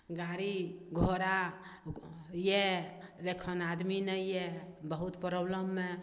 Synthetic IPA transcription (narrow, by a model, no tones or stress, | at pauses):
ɡaɾiɡʱoɾa | jelekʰənad̪minəjebəɦut̪pɾəbləmːe